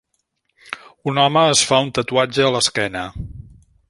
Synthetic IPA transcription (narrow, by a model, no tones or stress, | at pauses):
unɔməːsfaunt̪ət̪uad͡ʒəːləskɛnə